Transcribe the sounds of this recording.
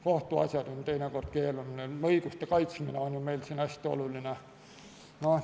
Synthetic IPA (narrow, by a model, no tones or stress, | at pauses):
koht̪uɑ̰sʲjɑd̪̥onʲt̪e̞jneko̞rd̪̥ke̞ːlunneɤiɡ̥ust̪ekɑjt̪smineonjumejlsinæsʲt̪io̞̰luline | no